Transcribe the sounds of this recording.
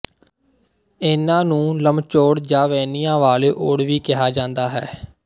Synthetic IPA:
ɪnãːnũːləmt͡ʃoːɽd͡ʒaːʋɛːniːjãːʋaːleːʔoːɽʋiːkɪɦaːd͡ʒãːnd̪aːɦɛː

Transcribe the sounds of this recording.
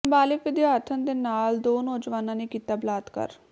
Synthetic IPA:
mbaːlɪkʋɪd̪jaːɾt̪ʰənd̪eːnaːld̪oːnoːd͡ʒʋaːnãːnekiːt̪aːblaːd̪kə̰ɾ

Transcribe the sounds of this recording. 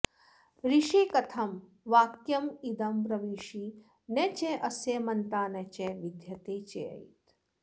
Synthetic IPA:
ɾiʃikɐt̪ʰɐm | ʋaːkjɐmid̪ɐmɾɐʋiːʃiː | net͡ʃeʔɐsjemɐnt̪aːnet͡ʃeʋid̪ʱjɐt̪eːt͡ʃeɐ̰ḭt̪

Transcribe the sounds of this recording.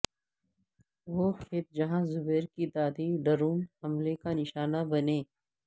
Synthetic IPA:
ʋoːkʰeːt̪̚d͡ʒɐɦãzʊbɛːɾkit̪aːd̪iɖɐɾuːmhɐmlekanɪʃaːnabɐneː

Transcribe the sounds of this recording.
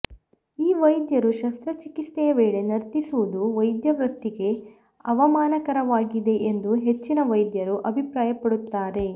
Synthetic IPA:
iːʋɐjd̪jɐɾuʃɐst̪ɾɐt͡ʃikist̪ɛjɐʋeːɭe̞nɐɾt̪isuʋud̪uʋɐjd̪jɐʋɾɐt̪ːiɡe̞ | ɐʋɐmaːnɐkɐɾɐʋaːɡid̪e̞ʔend̪uɦe̞t͡ʃːinɐʋɐjd̪jɐɾuʔɐbʱipɾaːjɐpɐɽut̪ːaːɾe̞

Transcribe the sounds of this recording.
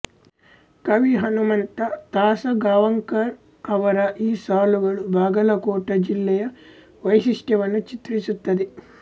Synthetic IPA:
kɐʋiɦɐnumɐnt̪ɐt̪aːsɐɡaːʋɐŋkɐɾ | ɐʋɐɾɐʔiːsaːluɡɐɽubʱaːɡɐlɐkoːʈːɐd͡ʒilːɛjɐ | ʋɐjsiʂʈɐʋɐnut͡ʃit̪ɾit͡ʃut̪ːɐd̪i

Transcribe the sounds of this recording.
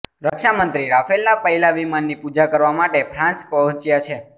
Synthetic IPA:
ɾəkʃamənt̪ɾiɾafelnapəɦilaʋimanːipud͡ʒakəɾʋamaʈepʰɾãnt͡ʃpəɦɔ̃t͡ʃjat͡ʃʰe

